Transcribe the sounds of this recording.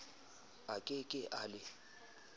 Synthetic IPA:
akʼɪkʼɪʔalɪ

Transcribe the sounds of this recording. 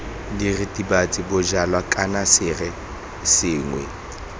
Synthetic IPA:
dirɪtʼibat͡sʼɪbʊd͡ʒalwakʼanasɪrɛ | sɪːŋwɛ

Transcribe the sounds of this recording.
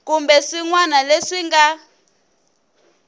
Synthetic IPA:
kumbɛʂiŋwanaleʂiŋɡa

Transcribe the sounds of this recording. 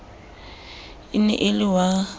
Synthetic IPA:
inɛ̰ʔɪlɪwa

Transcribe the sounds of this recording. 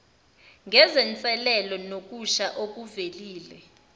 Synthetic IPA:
ŋʱɛzɛnt͡sʼɛlɛlɔnok̬ʼuʃaʔok̬uveliːlɛ

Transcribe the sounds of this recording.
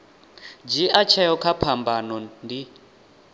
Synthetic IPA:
d͡ʒiʔat͡ʃʰɛjɔkʰapʰambanɔndi

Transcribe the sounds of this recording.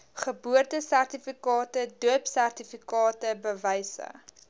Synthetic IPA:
χəbuərtəsærtifikɑːtəduəpsærtifikɑːtəbəvɛjsə̰

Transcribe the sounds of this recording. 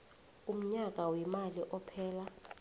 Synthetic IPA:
um̩ɲak̬ʼawimaliʔɔpʰɛːla

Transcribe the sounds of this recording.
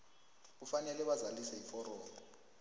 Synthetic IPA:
k̬ufanɛlɛɓazalisɛifɔɾɔːmɔ

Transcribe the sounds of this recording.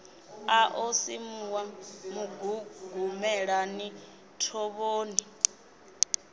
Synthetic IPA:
aʔosimuwamuɡuɡumɛɺani | tʰɔβoːni

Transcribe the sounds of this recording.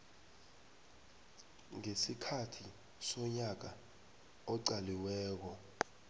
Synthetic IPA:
ŋesikʰatʰi | sɔɲak̬a | ɔǀaliwɛːk̬ɔ

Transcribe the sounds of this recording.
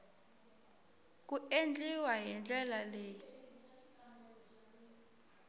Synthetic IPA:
k̬ʼuend͡ɮʱiwaɦɛnd͡ɮɛlaleːji

